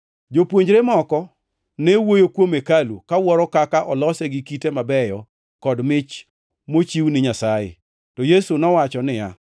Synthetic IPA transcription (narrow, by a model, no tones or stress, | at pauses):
d͡ʒopwoɲd͡ʒɾemɔkɔ | newojokwomekalṵkawɔɾɔkakaʔɔlɔsɛɡikitemabɛjɔ | kɔdmɪt͡ʃ | mot͡ʃiwnɪɲasajɪ̰ | tɔjesunɔwat͡ʃɔnɪja